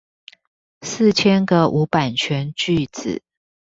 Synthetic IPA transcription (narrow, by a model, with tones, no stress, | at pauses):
s̩˥˨t͡ɕʰjɛ˥nɡə˨ʔu˧˥pa˨˩nt͡ɕʰɥɛ˧˥nt͡ɕy˥˨t͡sɹ̩̰˨˩˦